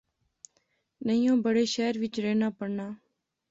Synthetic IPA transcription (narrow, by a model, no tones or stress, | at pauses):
nəĩːõːbəɽeːʃɛːɾʋɪt͡ʃɾeːnaːpəɽnaː